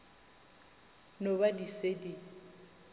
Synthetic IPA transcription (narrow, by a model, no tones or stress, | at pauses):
nobadisedi